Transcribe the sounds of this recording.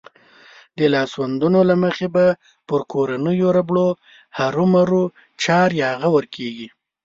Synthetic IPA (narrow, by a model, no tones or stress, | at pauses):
d̪əlɑswand̪unolaməxeba | pəɾkoɾanəjoɾabɽo | haɾumaɾu | t͡ʃɑɾjɑaɣawəɾkʰeɡi